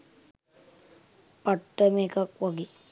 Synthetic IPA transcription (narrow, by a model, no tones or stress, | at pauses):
paʈːəmeːkakʋaɡi